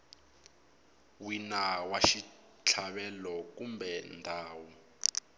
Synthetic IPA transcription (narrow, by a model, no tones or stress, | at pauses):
winawaʃi | t͡ɬʰaɓɛlɔkumbɛndʱaːwu